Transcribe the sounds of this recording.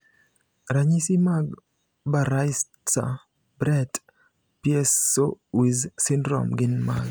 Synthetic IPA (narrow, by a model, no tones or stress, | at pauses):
ɾaɲisimaɡ | baɾajs | t͡sa̰ | bɾɛt | piɛsowizsɪndɾɔ̰mɡɪnma̰ɡ